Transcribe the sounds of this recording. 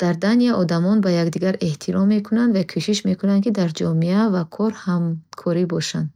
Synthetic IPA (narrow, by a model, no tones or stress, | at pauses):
d̪̥aɾd̪aniaʔɔd̪amɔnbajaɡd̪iɡaɾe̞ht̪ʰiɾɔmːe̞kʰunand̪vakʰuʃiʃme̞kʰunand̪kid̪aɾd͡ʒɔmiavakʰɔɾhamkʰɔɾibɔʃand̪